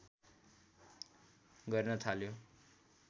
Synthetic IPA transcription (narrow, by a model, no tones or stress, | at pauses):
ɡʌrnʌt̪ʰaljo